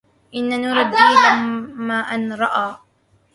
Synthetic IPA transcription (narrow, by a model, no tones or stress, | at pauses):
ʔɪnːanuːɾˤɑd̪ːiːlamaːʔanɾˤɑʔaː